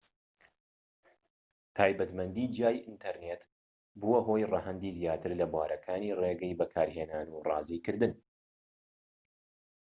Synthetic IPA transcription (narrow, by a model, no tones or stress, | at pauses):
t̪ʰaːjbɐt̪mɐnd̪id͡ʒjaːjʔɨnt̪ʰɐɾnet̪ | buwɐɦo̞ːjrɐhɛnd̪iːzjaːt̪ʰɨɾlɐbwaːɾɐkʰaːniːreɡɛjbɐkʰaːɾheːnaːnurɑːziːkɨɾd̪ɨn